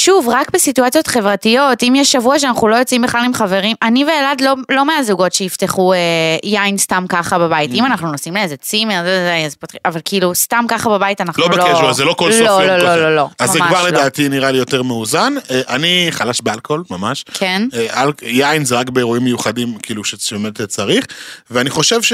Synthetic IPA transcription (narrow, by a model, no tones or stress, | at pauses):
ʃuvʁakbesituat͡sijot̪χe̞vʁatijo̞timjɛʃːavuaʃ̬eanaχnulo̞jo̞t͡simbeχalimχave̞ʁimʔaniveːladlo̞lo̞meazuɡo̞tʃeifteχuejainstamkaχababait̪imanaχnunosimleezet͡simeʁtzejazpat̪avalkiilustamkaχababaitanaχlouelkeʃuazelo̞kolslololololo̞azmːemɡavaʁleddaːtiniʁalijo̞teʁmeuzaneʔaniχalaʃbealko̞lmamaʃkʰenʔaljainzeʁakbeeʁuimːejuχadimkiiluʃebemetet͡saʁiχveaniχo̞ʃevʃ